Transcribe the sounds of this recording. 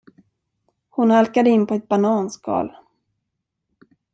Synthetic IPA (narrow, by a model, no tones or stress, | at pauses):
hʊnhalkad̪əɪnːpʰɔɛt̪̚banɑːnskʰɑ̰ːl